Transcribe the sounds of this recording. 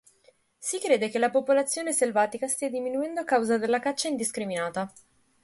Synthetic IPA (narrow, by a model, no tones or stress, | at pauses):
sikɾeːd̪ek̟elːapopolat̪sːjoːneselvaːt̪ikast̪iad̪iminuɛnd̪oakːawzad̪elːakat͡ʃːaind̪iskɾiminaːt̪a